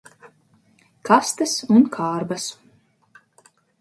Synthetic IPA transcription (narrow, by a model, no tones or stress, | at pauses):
kʰast̪ɨsunkʰaːɾbas